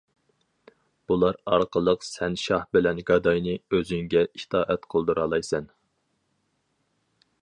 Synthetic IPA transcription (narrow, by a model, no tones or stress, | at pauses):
b̥ulˠɑɾɑɾqʰəlˠəqsɛnʃɑhbɪlɛnɡɑd̪ɑjnɨøzyŋɡʲɛit̪ʰɑːʔɛt̪qʰəlˠd̪uɾɑːlˠɑjsɛn